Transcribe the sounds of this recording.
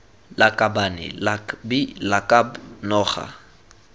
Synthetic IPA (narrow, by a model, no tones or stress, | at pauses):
lakʼabanɪ̰lbilakʼabnɔːχa̰